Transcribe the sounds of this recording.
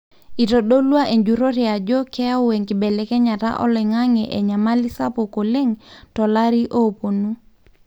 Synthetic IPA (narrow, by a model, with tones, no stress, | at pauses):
i˨to˨ɗo˦lwa˦ʔe˨ɲd͡ʒu˨ɾo˦ɾi˨a˨d͡ʒo˦kɛ˦a˦o˦we˨ŋki˨bɛ˨lɛ˨˦kɛ˦ɲa˨ta̰˦ʔɔ̰˦lɛ˨ŋa˦ŋɛ˨ʔɛ˨ɲa˨ma˦li˦sa˦po˨ko˨le˦ŋtɔ˨la˦ɾi˦ʔo˦po˨nu˦